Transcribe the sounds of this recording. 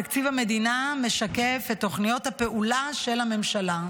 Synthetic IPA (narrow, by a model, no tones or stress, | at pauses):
akt͡sivame̞d̪iname̞ʃake̞fetːo̞χnijo̞thape̞ʔulaʃe̞lame̞mʃala